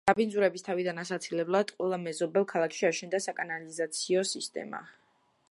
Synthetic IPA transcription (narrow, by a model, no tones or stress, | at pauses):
abindzuɾɛbist̪ʰavid̪anasat̪sʰilɛblˠad̪̥qʼwɛlˠamɛzɔbɛlˠkʰalˠakʃiaʃɛnd̪asakʼanalizat̪sʰiɔsist̪ʼɛ̰ma̰